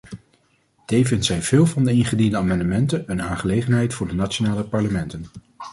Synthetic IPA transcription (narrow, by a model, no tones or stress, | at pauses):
d̥ejvɪntsɛjv̥ɪːlˠvɑndəɪnχədindəaːmɑndəmɛntənənaːnχəlejχənɦɛjtfʊːɹdənat͡ʃonaːləpɑɹləmɛntən